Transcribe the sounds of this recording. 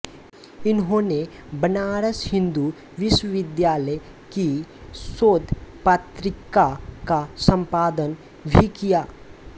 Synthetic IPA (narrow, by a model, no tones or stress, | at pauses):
ɪnɦõːne | bənaːɾəshɪ̃nd̪u | ʋɪʃwəʋɪd̪jaːləj | kisoːd̪pat̪ɾɪkakasə̃mpaːd̪ən | bʱikijaː